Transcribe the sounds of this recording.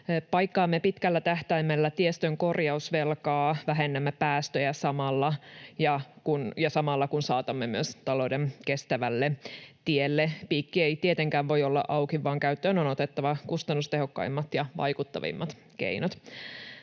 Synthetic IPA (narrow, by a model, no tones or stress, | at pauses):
pɑjkːɑːmːepit̪kælːæt̪æht̪æimːelːæt̪iest̪øŋko̞rjɑusʋelkɑːʋæɦenːæmːepæːst̪øjæsɑmɑlːɑjɑkunjɑsɑmɑlːɑkunsɑːt̪ɑmːemyøst̪ɑlodenke̞st̪æʋælːet̪ielːepiːkːieit̪iet̪eŋkæːʋʋo̞jolːɑ̰ʔɑuwkiʋːɑːŋkæyt̪ːøːnonot̪et̪ːɑʋɑkust̪ɑnːust̪eɦokːɑ̰imːɑt̪jɑʋɑ̰jkut̪ːɑ̰ʋḭmːɑt̪ | kḛinot̪